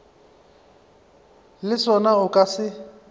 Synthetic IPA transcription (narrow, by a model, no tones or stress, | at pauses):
lɪsɔnaʊkʼasɪ